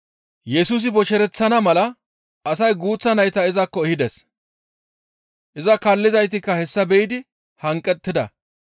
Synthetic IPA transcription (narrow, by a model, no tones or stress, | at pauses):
jɛsus̬ɪbɔʃɛɾɛt͡sːɐnɐmɐlɐ | ɐsɐjɡuːt͡sːɐnɐjt̪ɐɪzɐkːɔɛhɪd̪ɛs | ʔɪzɐkɐlːɪzɐjt̪ɪkːɐhɛsːɐbɛʔɪd̪ɪ | hɐŋkʼːɛt̪ːɪd̪ɐ̰